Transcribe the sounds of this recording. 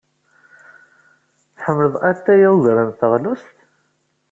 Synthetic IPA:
θħəmːələðæt̪ːæjauʝɾənθəʁlust̪

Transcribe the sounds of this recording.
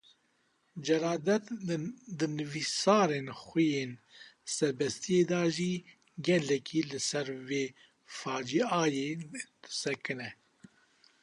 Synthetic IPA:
d͡ʒɛɾɑːd̪ɛt̪d̪ɨnɨvisɑːɾeːnxʷujeːnsɛɾbɛst̪ijeːd̪ɑːʒiː | ɡɛlɛkʰiːlɨsɛɾveː | fɑːd͡ʒiɑːjeːd̪̥ɨ̥sɛkɨnɛ

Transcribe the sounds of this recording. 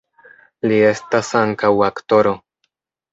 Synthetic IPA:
lie̞stasaŋkawakto̞ɾo̞

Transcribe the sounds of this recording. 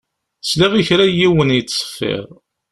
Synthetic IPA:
sliʁiçɾæjiwənjt͡sːsˤə̥fːḭʁ

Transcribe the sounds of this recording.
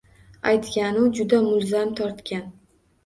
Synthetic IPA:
ajt̪kʲanʊd͡ʒʊd̪amʊlzamt̪ʰɒɾt̪kʲan

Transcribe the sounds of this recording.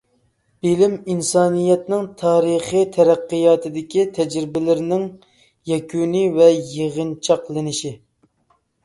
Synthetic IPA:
b̥ɪlɪminsɑːnijɛt̪nɪŋt̪ʰɑːɾɨχit̪ʰɛɾæqːɨjɑːt̪ʰɨd̪ɪkʲit̪ʰɛd͡ʒɾɪbɪlɪɾɪnɪŋ | jɛkʲʰunivɛjeʁənt͡ʃʰɑqlˠɨnɪʃi

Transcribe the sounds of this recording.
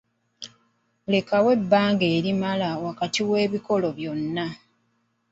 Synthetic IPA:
le̞kawe̞bːaːŋɡeːɾimalawakatiwe̞ːβiko̞lo̞βjo̞nːa

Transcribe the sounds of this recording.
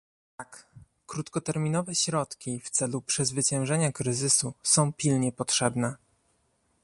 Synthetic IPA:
t̪ak | kɾut̪kɔt̪ɛɾmʲinɔvɛɕɾɔt̪kʲift̪sɛlupʂɛzvɘt͡ɕɛ̃w̃ʐɛɲakɾɘzɘsusɔ̃w̃pʲilɲɛpɔtʂɛbnɛ

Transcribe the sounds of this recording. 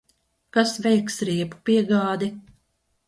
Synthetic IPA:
kasvʲɛjksɾiɛpu̥piɛɡaːd̪i

